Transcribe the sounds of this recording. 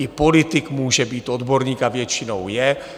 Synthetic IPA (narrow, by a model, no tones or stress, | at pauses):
ɪpo̞lɪt̪ɪkmuːʒɛbiːt̪o̞d̪bo̞ɾɲiːkavjɛt͡ʃɪnowjɛ